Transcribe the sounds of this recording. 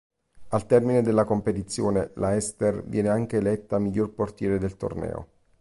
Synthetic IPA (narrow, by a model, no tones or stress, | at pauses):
alt̪ɛrmined̪elːakompet̪it̪sːjoːnelaɛst̪ervjʔɛːneaŋk̟eːlɛt̪ːamiʎːorport̪jɛːɾed̪elt̪o̰rnɛ̰ːo̰